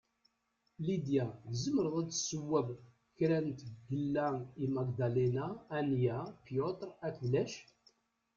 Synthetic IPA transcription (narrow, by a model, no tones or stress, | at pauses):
lid̪jæzəmːəɾðˤæt͡sːsəwːæv | çɾænt̪ɡːəlːæimæɡd̪alenaːnjæpjot̪ɾˤækðlæʃ